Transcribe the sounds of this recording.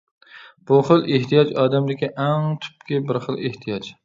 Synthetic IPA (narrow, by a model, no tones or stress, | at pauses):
b̥uχɨlˠʔeht̪ʰijɑd͡ʒɑːd̪æmd̪ɪkʲiʔaŋt̪ʰʊ̥p̚kʲɪbɪɾχɨlˠeht̪ʰijɑd͡ʒ